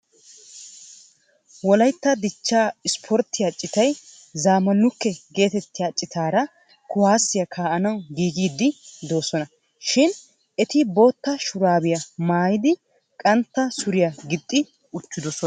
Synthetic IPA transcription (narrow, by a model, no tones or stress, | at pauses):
wɔlɐjt̪ːɐd̪ɪt͡ʃːaːɪspʰɔɾt̪ːɪjat͡ʃʼːɪt̪ɐj | zaːmɐlːʊkːɛɡe̞ːt̪ɛt̪ːɪjat͡ʃʼːɪt̪ʰaːɾɐ | kʊwaːsːɪjɐkʰaːʔɐnɐwɡiːɡiːd̪ːɪd̪o̞ːsɔnɐ | ʃɪn | ɛt̪ɪbo̞ːt̪ːɐʃʊɾaːbɪjɐmaːjɪd̪ɪ | kʼɐnt̪ːɐsʊɾɪjaɡɪt̪ʼːɪ | ʊt͡ʃːɪd̪ɔsɔn